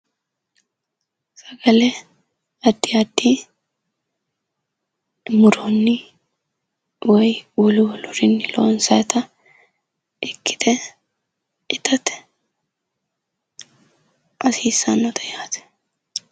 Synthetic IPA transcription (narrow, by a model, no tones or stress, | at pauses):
sɐɡɐlɛ | ɐd̪ːiɐd̪ːi | mʊɾɔnːɪ | wɔjwɔlʊwɔlʊɾɪnːɪlo̰ːnsɐjt̪ɐ | ʔɪkːɪ̥t̪ɛ | ɪt̪ɐt̪ | ʔɐsiːsːɐnːɔt̪ʰɐjaːt̪ɛ̥